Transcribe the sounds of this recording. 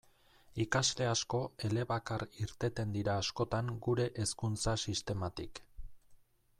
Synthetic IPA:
ikazle̞asko̞e̞le̞βakaɾiɾt̪e̞t̪e̞nd̪iɾaːsko̞t̪aŋɡuɾe̞ʔeskunt͡sasist̪e̞mat̪ik

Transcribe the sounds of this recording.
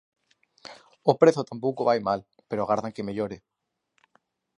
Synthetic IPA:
opɾeθot̪ampowkoβajmal | peɾoaɣaɾðaŋkemeʎoɾe

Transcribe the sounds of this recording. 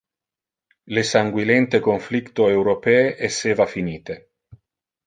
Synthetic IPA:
lesaŋɡwilɛnt̪ekoɱflikt̪oewɾopɛeʔesːeːvafiniːt̪e

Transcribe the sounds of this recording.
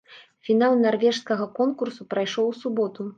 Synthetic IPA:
fʲinalˠnarvʲɛʂskɐɣɐkɔnkursupɾajʂɔwsubɔt̪u

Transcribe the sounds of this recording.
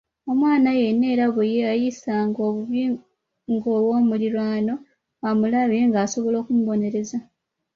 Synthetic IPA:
omwaːnaje̞nːe̞ːɾaβujeajisaŋɡo̞ːβuβi | ŋɡowo̞ːmuliɾwaːno̞ | amulaβeŋɡaːso̞βo̞lo̞ːkumuβo̞ne̞ɾe̞za

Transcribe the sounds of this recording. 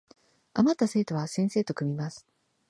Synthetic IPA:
amat̪ːase̞ːt̪o̞βasẽ̞ɰ̃se̞ːt̪o̞kɯ̟mʲimasɨ̥

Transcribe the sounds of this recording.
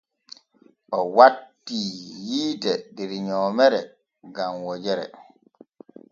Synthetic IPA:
ʔɔwatːiːjiːdɛdɛɾɲɔːmɛɾɛ | ɡamwɔd͡ʒɛɾɛ̰

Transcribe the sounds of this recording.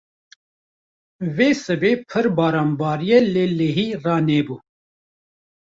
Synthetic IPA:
veːsɨbeːpʰɨɾbɑːɾaːmbɑːɾijeleːleːɦiːrɑːneːbuː

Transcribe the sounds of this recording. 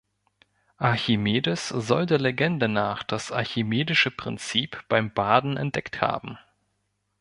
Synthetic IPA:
ʔaɐçimeːdəszɔldeːɐleɡɛndənaːχd̥asʔa̰ɐçimeːdɪʃəpʁ̥ɪ̰nt͡siːpb̥aɪmbaːdn̩ɛ̰nt̚d̥ɛktha̰ːbm̩

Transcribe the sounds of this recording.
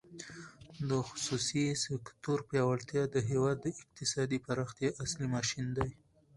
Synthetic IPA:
d̪əxʊ̥susisɪkt̪oɾpjɑwaɭt̪jɑd̪əɦewɑd̪ːəɪq̚t̪ɪsɑd̪ipaɾɑxt̪jaʔaslimɑʃind̪aj

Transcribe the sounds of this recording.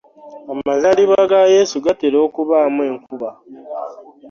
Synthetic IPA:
amazaliβaɡaje̞ːsuɡateɾo̞ːkuβaːmwe̞ːŋkuβa

